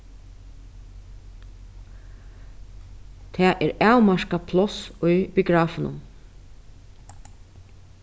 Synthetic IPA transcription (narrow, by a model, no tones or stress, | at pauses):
t̪ʰɛːʔɛːɾæːwmɑɹkapʰlɔsʊjbɪɡɹɑːfnʊ̰n